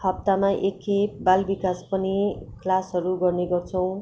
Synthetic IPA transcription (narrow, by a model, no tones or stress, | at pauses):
hʌp̚t̪amaʔekebalbikaspʌniklasɦʌɾuɡʌrneɡʌrt͡sʰʌw̃